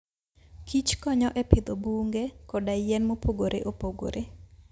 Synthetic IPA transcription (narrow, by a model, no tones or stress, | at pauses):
kit͡ʃkɔɲɔʔɛped̪obuŋɡekɔdajɛnmopoɡoɾʔḛʔopoɡo̰ɾʔe